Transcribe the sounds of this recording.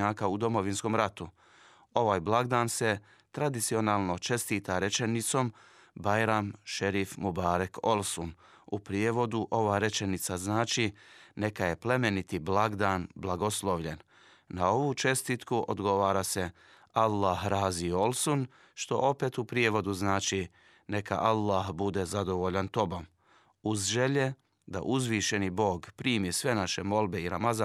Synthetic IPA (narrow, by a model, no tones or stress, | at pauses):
aːkaud̪o̞mo̞ʋinsko̞mɾat̪u | o̞ʋaːjblˠaɡd̪aːnse̞ | t̪ɾad̪it̪sio̞naːlˠno̞t͡ʃe̞st̪iːt̪aɾe̞t͡ʃenit̪so̞m | bajɾamʃeɾifmubaːɾako̞lˠsun | upɾijeʋo̞d̪uʔo̞ʋaːɾe̞t͡ʃenit̪saznaːt͡ʃine̞kaje̞ple̞me̞nit̪iblaɡd̪aːnblaɡo̞slˠo̞ʋʎen | nao̞ʋuːt͡ʃe̞st̪iːt̪kuʔo̰d̪ɡo̞ʋaːɾase̞ | alːaɦɾaːziolsun | ʃt̪o̞̰ʔo̞pe̞ːt̪upɾijeʋo̞d̪uznaːt͡ʃi | ne̞ka̰ʔalːaːɦbud̪e̞zad̪o̞ʋoʎant̪o̞bom | uzʒe̞ʎe̞ | d̪a̰ʔuzʋiːʃe̞nibo̞ːɡpɾiːmjesʋe̞naʃe̞mo̞lˠbe̞iɾamaza